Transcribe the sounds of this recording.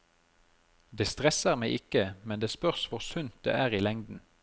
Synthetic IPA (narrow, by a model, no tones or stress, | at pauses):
d̪eːst̪ʁɛsəʁmæɪʔɪkəmɛnd̪eːspœʁsʋʊʁsʉnt̪̚d̪̥ḛːʔæːʁiːlɛŋd̪n̩